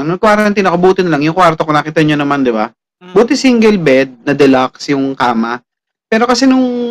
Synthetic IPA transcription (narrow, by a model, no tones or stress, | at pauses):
nʊŋkwaːɾɐnt̪inːɐkobuːt̪ɪnɐlɐŋjʊŋkwaɾt̪okonɐkiːt̪ɐɲonɐmand̪ɪba̰ | buːt̪ɪsiɪŋɡɛlbɛd̪̚nɐd̪ɛlaksjʊŋkaːmɐ | pɛːɾo̞kɐsɛnʊŋ